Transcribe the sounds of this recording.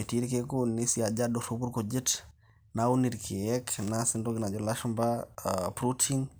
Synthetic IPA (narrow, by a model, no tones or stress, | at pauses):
etiɾkekunisiad͡ʒadosubuɾkod͡ʒit | nauniɾkʰejɛknasindoɡinad͡ʒolaʃmbapɾutʰiŋ